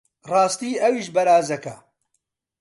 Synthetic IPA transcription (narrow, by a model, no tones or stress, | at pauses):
rɑːst̪iːʔɐwiːʃbɐɾaːzɐkɐ